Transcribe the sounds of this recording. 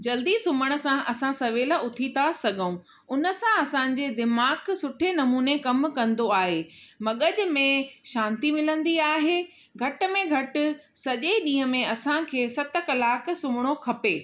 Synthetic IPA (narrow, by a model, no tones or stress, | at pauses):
d͡ʑɐld̪isʊməɽ̃ə̆sãʔɐsãsɐʋeːləʊt̪ʰit̪ʰasɐɠʱəũ | ʊnə̆sãɐsãːɲ̆d͡ʑed̪ɪmaːksʊʈʰenɐmuːnekɐmkɐ̃nd̪oaːɦeːmɐɠəd͡ʑʊ̆mẽʃãːnt̪imɪlə̃nd̪iaːɦeː | ɡʱɐʈ̆mẽɡʱɐʈʊ̆sɐʄeɗĩːɦəmẽɐsãkʰeːsɐt̪ə̆kɐlaːk̆ʰsʊmɪɽ̃okʰɐpeː